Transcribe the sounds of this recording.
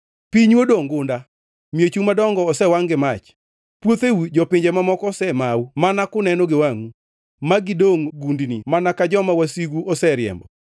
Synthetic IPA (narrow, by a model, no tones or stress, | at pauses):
piɲwodoŋɡʊnda | mjet͡ʃumadɔŋɡɔːsɛwaŋɡɪmat͡ʃ | pwot̪ewud͡ʒɔpɪɲd͡ʒemamɔkɔsɛmawumanakʊnɛnɔɡɪwaŋu | maɡɪdoŋɡundnimanakad͡ʒɔmawasiɡuʔosɛɾjɛ̰mbɔ